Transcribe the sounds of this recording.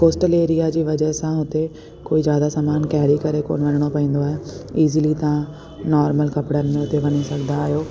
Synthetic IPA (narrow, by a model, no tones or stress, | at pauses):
koːsʈəleːɾijad͡ʑiːʋɐd͡ʑəɦsãɦʊt̪e | koːizjaːd̪asaːmaːnkɛɦɾikɐɾeko̰ːnʋɐnəɽ̃opɐĩːnd̪oaːɦeiːzilit̪ɐã | nɔːɾməlkɐpɽənɪ̆mẽɦʊt̪eʋɐɲisɐɡʱnaːɦijoː